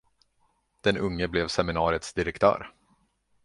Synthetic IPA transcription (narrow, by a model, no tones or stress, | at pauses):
d̪̥ɛnɵŋːəblɛvsɛmɪnɑːɾɪət̪sd̪ɪɾɛkt̪ʰœ̰ːɾ